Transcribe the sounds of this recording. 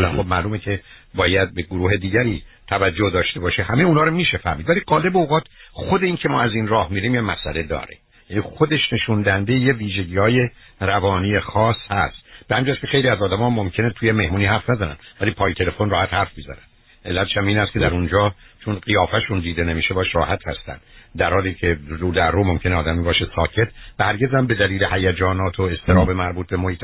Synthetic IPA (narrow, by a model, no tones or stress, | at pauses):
ænxob̚mæluːmecʰe̞ | bɒːjæd̪̚be̞ɡoɾuːɦe̞d̪iːɟæɾiːt̪ʰævæd͡ʒːohd̪ɒːʃt̪e̞bɒːʃehæmejunɒːɾomiːʃefæ̰ɾmid̪væliɡɒːle̞beoɣɒːt̪ʰxo̞d̪e̞iːncʰemɒːæzinrɒːhmiːɾiːmjemæsʔæle̞d̪ɒ̰ːɾḛ | jænixod̪e̞ʃne̞ʃund̪æhænd̪ejejeviːʒeɟiːhɒːje̞ | rævɒːniːjexɒːshæ̰st̪b̥ehæminːd͡ʒæskʰʲexejliæzɒːd̪æmɒːmːomcʰe̞net̪ʰujeme̞hmuːniːhæɾfnæzænæ̰nvæliːpʰɒːjet̪ʰe̞lefo̞nrɒːhæt̪hæɾfbizæ̰nænd̪ | ʔe̞lːæt̪ʰe̥ʃæmiːnæst̪kʰe̞d̪æɾund͡ʒɒːt͡ʃʰonɢijɒːfæʃund̪iːd̪e̞nemiːʃebɒːʃrɒːhæt̪hæ̰st̪æ̰nd̪d̪æɾhɒːliːcʰe̞ruːd̪æɾrːomo̞mcʰe̞neɒːd̪æmibɒːʃesɒːcʰe̞t̪ʰvæhæɾɟʲe̞zhæmbe̞d̪æliːle̞hæjæd͡ʒɒːnɒːt̪ʰoe̞st̪e̞ɾɒːbe̞mæɾbuːt̪̚be̞moːit̪ʰ